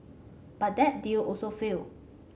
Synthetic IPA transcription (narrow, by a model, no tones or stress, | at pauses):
b̥at̚dɛt̚diuʔɔsofil